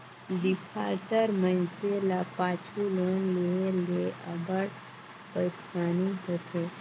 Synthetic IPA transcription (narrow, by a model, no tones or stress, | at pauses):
ɖipʰaɾʈəɾmənt͡ʃelapat͡ʃʰulonleeleəbəɽ | pəɾsaniɦət̪ʰe